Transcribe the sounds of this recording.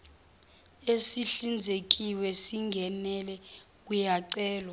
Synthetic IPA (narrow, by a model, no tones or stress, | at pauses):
esiɬind͡zʱek̬iwɛsiŋɡʱɛnɛlɛ | k̬ujaǀɛːlɔ